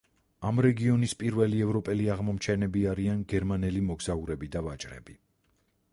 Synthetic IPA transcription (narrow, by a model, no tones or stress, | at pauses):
amɾɛɡiɔnispʼiɾvɛliɛvɾɔpʼɛliaʁmɔmt͡ʃʰɛnɛbiaɾianɡɛɾmanɛlimɔɡz̥auɾɛbid̪avat͡ʃʼɾɛ̰bi